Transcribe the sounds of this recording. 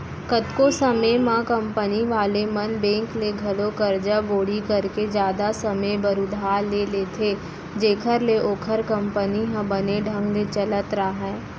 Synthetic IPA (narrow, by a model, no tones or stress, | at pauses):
kət̪kosəmemãkə̃mpəniʋaːlemənbẽːŋkleɡʱɐlokəɾd͡ʒaboːɽikəɾked͡ʒjaːd̪asəməjbəɾʊd̪ʱaːɾleleːt̪ʰe | d͡ʒeːkʰəɾleʔoːkʰəɾkə̃mpəniɦãbəneɖʱə̃ŋɡlet͡ʃələt̪ɾaːɦɛː